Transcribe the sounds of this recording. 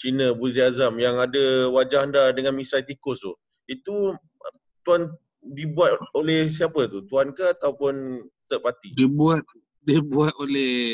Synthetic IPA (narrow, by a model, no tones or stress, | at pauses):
t͡ʃinə̃buziazamjaŋadəwad͡ʒahandadəŋanmisajt̪ikʊst̪ṵ | it̪u | t̪uan | dibuat̪̚olɛhs̬iapət̪ut̪uankəat̪aupʊnt̪əʔpat̪idibuat̪̚ | dibuat̪̚olɛh